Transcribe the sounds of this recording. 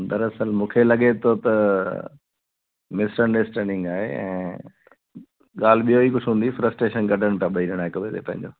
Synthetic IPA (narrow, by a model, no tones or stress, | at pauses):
d̪ɐɾɐsəlmũːkʰelɐɠet̪ʰot̪ɐ | mɪsʈə̃ɳɖesʈɛ̃ːɳɖɪ̃ŋɡaːɦeɛ̰̃ː | ɠaːl̤ɪɓijoikʊʈʰɦũːn̆d̪ifɾəsʈɾeːʃənɡɐɖʱəɽ̃t̪ãːɓɐiɾɪəɽ̃aːɦɪkɐʋeːt̪epɐ̃ɦɪ̃ɲd͡ʑoː